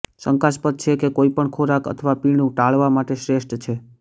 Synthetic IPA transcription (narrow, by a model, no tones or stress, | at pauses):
səŋkaspət̪̚t͡ʃʰekekoipəɳkʰoɾakə̰t̪ʰəʋapiɽũʈaɭʋamaʈeʃɾeʃʈt͡ʃʰe